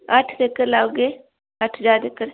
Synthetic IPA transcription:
ɐʈʰd̪ekəɾlaːwɡe | ɐʈʰd͡ʒaːd̪ekəɾ

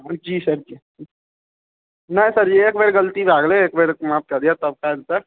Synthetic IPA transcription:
d͡ʒiːsɐɾd͡ʒiː | nɐɦĩsɐɾd͡ʒieːkbeːɾɡəlt̪ibʱaːɡleeːk̚bʱeːɾmaːp̚kad̪iat̪ɐb̚kalt̪a

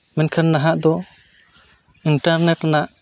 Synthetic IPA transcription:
mɛnkʰanːaɦaʔd̪ɔ | inʈaɾnɛʈnaʔ

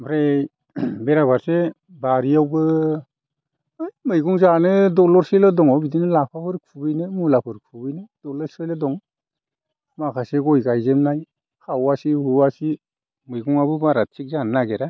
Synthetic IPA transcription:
bʰɾe | beɾabʱaɾse | baɾiawbɯ | ɯjmɯjɡuŋzanɯdɔlɔɾselɯdɔŋɔbidinɯlapʰapʰɯɾkʰubɯjnɯmulapʰɯɾkʰubɯjnɯd̥ɔlɔɾsɯjlɯdɔŋ | makʰaseɡɔjɡajzemnaj | kʰawasihuwasi | mɯjɡuŋabɯbaɾat̚sik̚zannaɡeɾa

